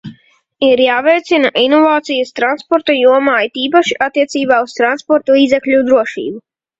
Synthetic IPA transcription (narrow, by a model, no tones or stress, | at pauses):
iɾjaːvɛjt̪sinaʔinɔvaːt̪sijast̪ɾanspɔɾt̪ajuɔmaːit̪iːp̬aʃiat̪ːiɛt̪siːbaːust̪ɾanspɔɾt̪ulˠiːd̪ɛklʲud̪ɾuɔʃḭːbu